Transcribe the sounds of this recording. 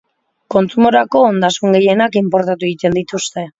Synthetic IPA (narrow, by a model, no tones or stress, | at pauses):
ko̞nt͡sumo̞ɾako̞ːnd̪asuŋɡe̞je̞nakimpo̞ɾt̪at̪uit̪e̞nd̪it̪ust̪e̞